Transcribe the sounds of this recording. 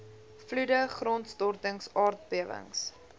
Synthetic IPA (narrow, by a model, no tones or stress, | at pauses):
fludəχrɔntstɔrtəŋsɑːrt̚biəvə̰ŋs